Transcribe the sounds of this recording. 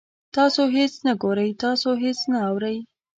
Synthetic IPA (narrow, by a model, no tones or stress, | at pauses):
t̪ɑsoɦet͡snaɡoɾəjt̪ɑsoɦet͡snaawɾəj